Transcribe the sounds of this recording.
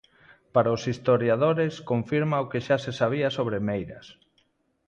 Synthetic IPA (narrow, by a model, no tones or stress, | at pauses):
paɾaʊsist̪oɾjaðoɾeskoɱfiɾmaokeʃasesaβ̞iasoβɾemejɾɐ̰s